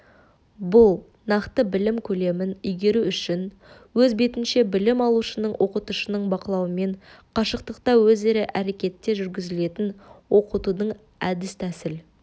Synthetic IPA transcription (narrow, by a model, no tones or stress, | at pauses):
bʊlˠ | nɑqt̪əbɪlɪmkʲʰɵle̞mɪnʏjɡʲe̞ɾuʏʃɪn | wɵzbe̞t̪ɪnʃe̞bɪlɪmɑlˠuʃənəɴwʔo̞qət̪uʃənəɴbɑqəlˠɑwəme̞ɴqʰɑʃəq̚t̪əq̚t̪ɑwɵze̞ɾɪʔæɾe̞kʲe̞t̪ːeʒʏɾɡʲɪzɪle̞t̪ɪnwo̞qət̪ud̪əɴ | æd̪ɪst̪ʰæsɪl